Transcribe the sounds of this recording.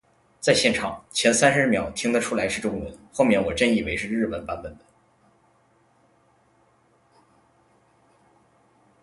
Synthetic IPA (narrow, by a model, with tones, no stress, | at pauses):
t͡sa˥˧ɪɕjɛ˥˩nʈ͡ʂʰɑ̰˨˩˦ŋt͡ɕʰjɛ˧˥nsa˥nʂɻ̩˧ɻ̩˥˩mjɑ˨˩ʊt̪ʰi˥ŋd̪ə˨ʈ͡ʂʰu˥la˧˥ɪʂɻ̩˥˩ʈ͡ʂʊ˥ŋwə˧˥nxo˥˧ʊmjɛ˥˩nwɔ˨˩ʈ͡ʂə˥˧ni˥˩we˧˥ɪʂɻ̩˥˧ɻ̩˥˩pə˨˩npa˧˥nbə˨˩nd̪ə˦